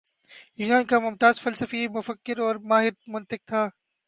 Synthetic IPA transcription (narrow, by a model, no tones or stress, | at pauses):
jinãːnkamʊmt̪aːzfɐlsəfimʊfəkːɪɾɔːɾmaːɦɪɾmʊnt̪ɪk̚t̪ʰaː